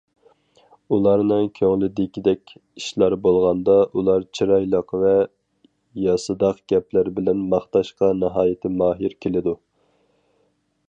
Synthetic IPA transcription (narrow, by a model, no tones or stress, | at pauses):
ulˠɑɾnɨŋkʲʰøŋlɪd̪ɪkʲʰid̪ɛkʲiʃlˠɑɾbolˠʁɑnd̪ɑʔulˠɑɾt͡ʃʰiɾɑjlˠəqvɛ | jɑsɨd̪ɑqɡ̥ʲɛplæɾbɪlɛnmɑχt̪ɑʃqɑnɨɦɑːjɪt̪ʰɪmɑːɦiɾkʲʰelɪd̪u